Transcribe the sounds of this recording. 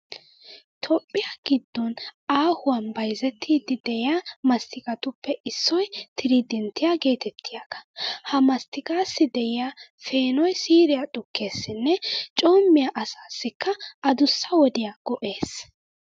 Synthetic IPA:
t̪ʰɔpʼːɪjaɡ̥ɪd̪ːɔnaːhʊwɐnbɐjzɛt̪ʰːiːd̪ɪd̪ɛjɪjaːmɐst̪ʰɪkʼɐt̪ʊpːɛɪsːɔjt̪ʰɪɾid̪ɛnt̪ːɪjaɡe̞ːt̪ɛt̪ʰːɪjaɡ̥ɐ̥hɐmɐst̪ɪkʼaːsːɪd̪ɛjɪjafe̞ːnɔjsiːɾɪjat̪ʼʊkːe̞ːsːɪnːɛt͡ʃʼo̞ːmːɪjaʔɐsaːsːɪkːɐɐd̪ʊsːɐwɔd̪ɪjaɡ̥ɔʔe̞ːs

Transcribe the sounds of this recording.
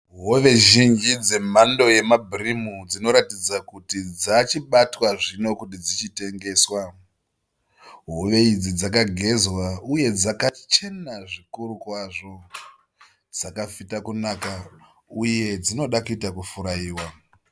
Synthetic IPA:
ɦoʋe̞ʒind͡ʒid͡ze̞mando̞je̞mabʱrimud͡zino̞ɾatid͡zakutid͡zat͡ʃiɓatwaʐino̞kutid͡zit͡ʃite̞ŋɡe̞ːswa | ɦoʋe̞id͡zid͡zakaɡʱe̞zwauje̞d͡zakat͡ʃe̞naʐikuɾukwaʐo̞ | d͡zakafitakunaka | uje̞d͡zino̞ɗakuitakufuɾaiːwa

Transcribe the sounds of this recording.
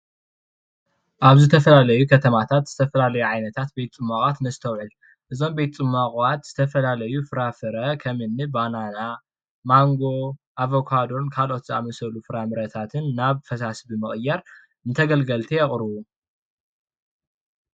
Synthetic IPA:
ʔaβzɨt̪ʰɐfɐlalɐjukʰɐt̪ʰɐmat̪ʰat̪z̥ɨt̪ʰɐfɐlalɐjuʕajnɐt̪ʰat̪̚be̞t̪t͡sʼɨmːakʼat̪nɨsɨt̪ʰɐwʕɨl | ʔɨzo̞mbe̞t̪t͡sʼɨmːakʼwat̪z̥ɨt̪ʰɐfɐlalɐjufɨɾafɨɾɐkʰɐmɨnːɨbanana | maŋɡo̞ʔavokʰad̪o̞nkʰalʔo̞t̪zɨamɐsɐlufɨɾamɨɾɐt̪ʰat̪ʰɨnːaβfɐsasbimɨχʼɨjːaɾ | ɨnt̪ʰɐɡɐlɡɐlt̪ʰijɛkʼɾɨwu

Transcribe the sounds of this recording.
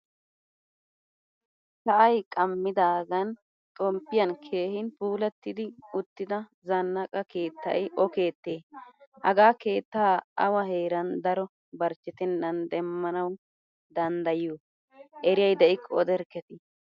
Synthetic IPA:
sɐʔɐjkʼɐmːɪd̪aːɡɐn | t̪ʼɔmpːɪjɐnkʰe̞ːhɪnpuːlɛt̪ːɪd̪ɪʊt̪ːɪd̪ɐ | zɐnːɐkʼɐke̞ːt̪ːɐ̰jɪʔɔke̞ːt̪ːeːhɐɡaːke̞ːt̪ːaːɐ̰wɐɦe̞ːɾɐnd̪ɐɾɔ | bɐɾt͡ʃːɪt̪ɪnːɐnd̪ɛmːɐnɐw | d̪ɐnd̪ɐjuː | ʔɛɾɪjɐjd̪ɛʔɪkʰːɔɔd̪ɛɾkɛt̪ɪ

